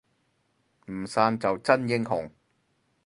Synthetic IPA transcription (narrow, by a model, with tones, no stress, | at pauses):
m̩˨˩saː˧nt͡sɐ˨wt͡sɐ˥njɪ˥ŋɦʊ̰˨˩ŋ